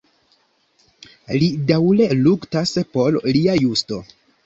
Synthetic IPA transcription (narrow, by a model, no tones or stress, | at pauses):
lidawleluktaspo̞ɾliajusto̞